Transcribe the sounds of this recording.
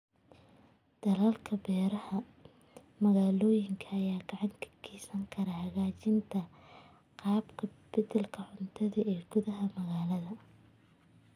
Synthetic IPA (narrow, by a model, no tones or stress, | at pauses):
d̪̥ɐlɐlkʰɐbɛːɾɐhɐ | mɐɣaːlɔːjɪŋkʰɐːjaːɡɑʕɑŋkʰɐ̥kʰiːsɐŋkʰɐɾɐhɐɣaːt͡ʃɪnt̪ʰɐ | qɑːbkʰɐbɪðɛlkʰɐʕʊnt̪ʰɐðɐɛːɡ̥ʊðɐɦɐmɐɣaːlɐðɐ